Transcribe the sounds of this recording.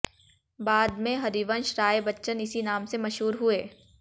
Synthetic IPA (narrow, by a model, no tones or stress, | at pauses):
baːd̪mẽɦɐɾiːʋə̃nʃɾaːebɐtːʃənɪsinaːmsemɐʃɦuːɾɦueː